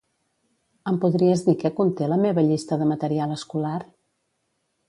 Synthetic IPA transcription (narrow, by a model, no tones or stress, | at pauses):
əmpuðɾiəzðikɛkunt̪eləmeβəʎist̪əðəmət̪əɾialəskular